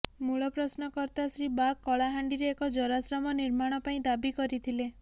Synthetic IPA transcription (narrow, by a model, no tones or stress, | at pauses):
muɭɔpɾɔsnɔkɔɾt̪asɾibakːɔɭaɦaɳɖiɾeekɔd͡ʒɔɾasɾɔmɔniɾmaɽ̃ɔpaĩd̪abikɔɾit̪ʰile